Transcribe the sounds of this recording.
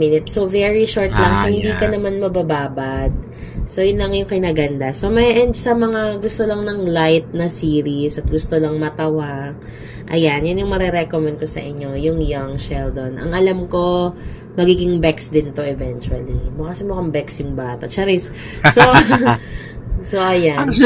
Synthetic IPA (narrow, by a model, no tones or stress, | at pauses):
minɪt̪so̞vɛɹiʃoɹt̪lɐŋsohɪnd̪iːkɐnɐmanmɐbabaːbad̪̚ | so̞jʊnlɐŋjʊŋkɐjnɐɡɐnd̪aso̞mɐjʔɛnd̪sɐmɐŋaɡʊst̪olɐŋnɐŋlajt̪̚nɐsiːɾisɐt̪̚ɡʊst̪olɐŋmɐt̪ɐwaɡ | ʔɐ̰janjʊnjʊŋmɐɾɛɾɛkomɛnd̪̚ko̞sɐ̰ʔɪɲːo̞jʊŋjaŋʃɛld̪o̞nʔɐ̰ŋʔɐlamko̞ | mɐɡiːɡɪŋbɛksd̪ɪnt̪o̞ʔɛvɛnt͡ʃuɐlḭmokɐsɛmokɐŋbɛksjʊŋbaːt̪ɐt͡ʃaɾɪs | so | so̞ʔɐjan